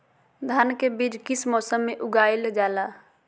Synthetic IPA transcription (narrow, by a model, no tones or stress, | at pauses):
d̪ʱankebid͡ʒkismɔːsəmːeʔʊɡaːɪld͡ʒaːla